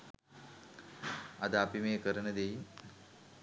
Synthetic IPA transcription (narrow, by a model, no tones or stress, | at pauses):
ɐd̪əapimeːkəɾənəd̪ejin